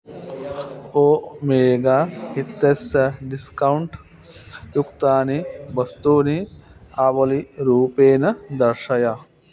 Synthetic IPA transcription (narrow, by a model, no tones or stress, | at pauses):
oːmeːɡaːit̪ːesɐɖiskɐwuɳʈ | jukt̪aːniʋɐst̪uːniaːʋɐliɾuːpeːnɐd̪ɐɾʂɐja